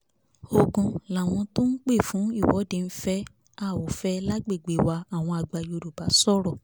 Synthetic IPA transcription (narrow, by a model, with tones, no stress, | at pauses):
o˧ɡũ˧la˨w̃ɔ̃˧to˦n̩˦k͡pe˦˨fũ˨˦i˦˨wɔ˨˦dẽ˧n̩˦fɛ˦ | a˦˨wo˨fɛ˦la˦ɡ͡be˦˨ɡ͡be˨wa˧a˦˨w̃ɔ̃˧a˧ɡ͡ba˧jo˧ɾu˨ba˨˦sɔ˦˨ɾɔ˦˨